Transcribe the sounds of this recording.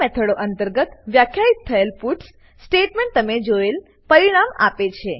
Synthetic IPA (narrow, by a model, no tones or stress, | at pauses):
ɛt̪ʰəɽoʔənt̪əɾɡət̪ʋjakʰjait̪ʰːəelfuʈs | sʈeʈmẽɳʈ̚t̪əmed͡ʒoel | pəɾiɽ̃ama̰pet͡ʃʰe